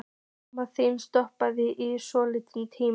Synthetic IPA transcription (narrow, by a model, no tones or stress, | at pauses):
maθejnst̪ɔhpaðɪʔɪsɔːlɪt̪ɪnt̪ʰiː